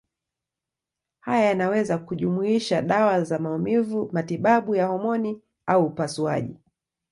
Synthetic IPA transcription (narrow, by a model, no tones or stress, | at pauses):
hajajanawɛzakuʄumuiʃaɗawazamaumivumatiɓaɓujahɔmɔni | auːpasua̰ʄḭ